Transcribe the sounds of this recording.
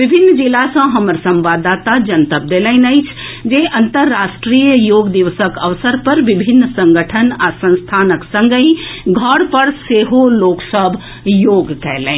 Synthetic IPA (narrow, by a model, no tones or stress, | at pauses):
ʋɪbʱɪnːd͡ʒɪlasãɦɐməɾsə̃mʋaːd̪aːt̪ad͡ʒɐnt̪əp̚d̪eːlə̃ɪ̃nəit͡ʃʰd͡ʒeːʔɐ̃nt̪əɾːaːʃʈɾiːjəjoːɡd̪iʋəsəkəʋsəɾpəɾʋɪbʱɪnːsə̃ŋɡəʈʰənasə̃nst̪ʰaːnəksə̃ŋɡəĩɡʱəɽpəɾseːɦoloːksəbʱ | joːɡkɛɦlḛ̃